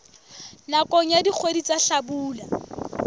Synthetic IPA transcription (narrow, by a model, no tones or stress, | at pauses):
nakʼɔɲadik͡xʰwedit͡sʼaɬabuːla